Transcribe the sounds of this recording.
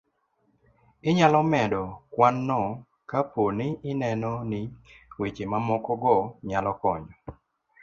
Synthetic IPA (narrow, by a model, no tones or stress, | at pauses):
ɪɲalɔmɛdɔkwanːɔ | kaponɪɪnɛnɔnɪwet͡ʃemamɔkɔɡɔɲalɔkɔɲɔ